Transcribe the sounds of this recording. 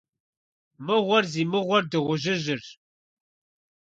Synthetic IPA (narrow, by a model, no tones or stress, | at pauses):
mɨʁʷɔrziːmɨʁʷɔrdɨʁʷʊʒɪʒɨr